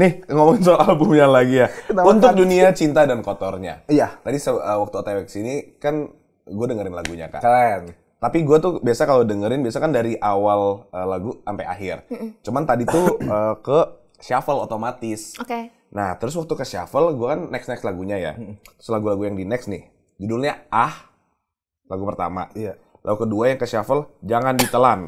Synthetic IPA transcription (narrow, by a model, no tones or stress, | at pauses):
nɪhŋomɔŋsoalbʊmɲalaɡijaunt̪ʊk̚duniat͡ʃint̪adankot̪ɔrɲa̰jad͡ʒadisəəwak̚t̪uot̪awɛksinikan | ɡuadəŋəɾɪnlaɡuɲa̰ka̰ | t̪apiɡuat̪ubiasakalodəŋəɾɪnbiasakandaɾiʔawalʔəlaɡuʔampaja̰ɦɪrt͡ʃumant̪adit̪uəːkə | ʃafəlot̪omat̪ɪsoke | naht̪əɾʊs̬wak̚t̪ukəʃia̰fəlɡuakanːɛksnɛkslaɡuɲaja̰t̪ɾʊslaɡulaɡujaŋdinɛksnɪh | d͡ʒudulɲaʔah | laɡupərt̪a̰ma̰ | lʔaɡukəduajaŋkəʃiafəld͡ʒaŋandit̪əlan